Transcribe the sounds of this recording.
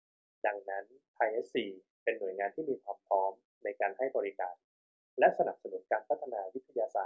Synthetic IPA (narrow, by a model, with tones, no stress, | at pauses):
da˧ŋna˦˥nt̪ʰaː˧jʔe˦˥sːiː˧˩ | pe˧nːu˨˩˦jŋaː˧nt̪ʰiː˥˩miː˧kʰwaː˧mpʰɾɔː˦˥m | na˧jkaː˧nha˥˩jbɔː˧ɾi˦˥kaː˧n | lɛ˦˥ʔsa˧na˨˩p̚sa˧nu˨˦nkaː˧npʰa˦˥t̪ʰːa˧naː˧wi˦˥t̪ʰːa˧jaː˧saː˨˩t̪̚